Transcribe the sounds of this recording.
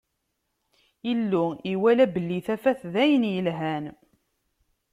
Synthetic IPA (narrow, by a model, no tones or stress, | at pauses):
ilːʊiwælæbəlːiθæfæθðæjənjəlɦæn